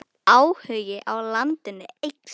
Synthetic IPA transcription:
aːwhœːɥjɪʔawlant̪ɪnːʏejk

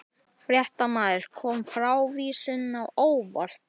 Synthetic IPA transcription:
fɾjɛht̪amaːðɪɾ̥kʰɔːmfɾawviːsʏnawoːwvɔɾ̥t̪

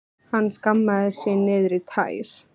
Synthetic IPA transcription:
hanːskamːaðɪsɪnɪːðɾit̪ʰa̰ːjɾ̥

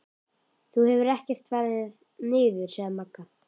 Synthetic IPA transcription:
θuhɛvʏɾɛhcɛr̥t̪vɛɾðɪð | nɪːðʏɾ̥sɛɣmakːa

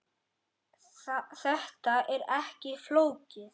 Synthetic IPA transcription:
θɛht̪aɛɾɛhcɪfloːwcɪθ

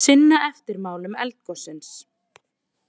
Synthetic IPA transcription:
sɪnːaʔɛft̪ɪɾmaːwlʏmɛ̰lt̪̚kɔsɪns

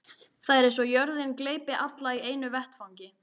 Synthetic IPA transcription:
θaðɛɾẽjnsɔjœɾðɪnkleːjpɪʔat̪laieːjnʏvɛht̪fawɲcɪ

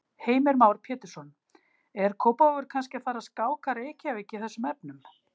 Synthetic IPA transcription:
heːjmɛɾmaːwɾ̥pʰjɛːt̪ɪɾ̥sɔn | ɛɾ̥kʰowpaɔvʏɾ̥kʰanscɪafaːɾaskaːwkʰaɾehcɪaveːcːɪθɛsːʏmɛpnʏm

